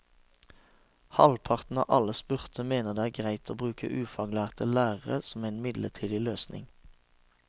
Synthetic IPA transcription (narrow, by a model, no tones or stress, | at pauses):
hɑlpʰɑʁt̪n̩ɑ̰ːʔɑləspʉʁt̪ʰəmeːnəʁd̪eːæːʁɡʁæɪt̪ʰoːbʁʉːkʰə̰ʔʉːfɑːɡlæːʁt̪ʰəlæːʁəʁəsɔmæɪnmɪd̪lət̪ʰiːd̪ɪløːsnʔɪ̰ŋ